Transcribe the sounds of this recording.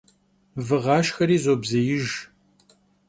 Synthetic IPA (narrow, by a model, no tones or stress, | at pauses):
vɨʁɑːʃxɐɾiːzobzɐjɪʒ